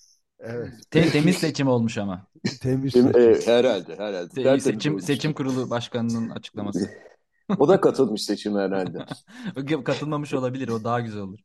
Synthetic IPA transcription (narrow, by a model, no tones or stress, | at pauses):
evɛt̪t̪ʰet̪ʰe̞mizse̞t͡ʃʰimo̞lˠmuʃama | t̪ʰemɛhɛɾalʲd̪ɛɦɛɾalʲd̪ɛset͡ʃʰimse̞t͡ʃʰimkuɾulˠubaʃkanɯnɯna̰t͡ʃʰɯ̥k̚lˠamasɯ | od̪akat̪ʰɯlˠmɯʃse̞t͡ʃʰimɛɾalʲd̪ɛ | kʰat̪ʰɯlˠmamɯʃo̞lˠabilʲiɾo̞d̪aɦaɟyzælʲo̞lˠuɾ